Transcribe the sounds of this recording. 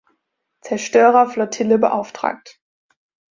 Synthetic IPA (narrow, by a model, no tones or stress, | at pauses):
t͡sɛɐʃtøːʁɐflɔtʰɪləbəʔaʊftʁ̥a̰ːk̚t